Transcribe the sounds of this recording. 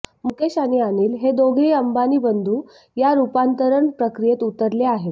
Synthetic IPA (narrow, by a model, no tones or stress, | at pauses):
mukeɕanianiːlɦed̪oɡʱiːəmbaniːbənd̪ʱuː | jaɾupant̪əɾəɳpɾəkɾijet̪ut̪əɾleaɦet̪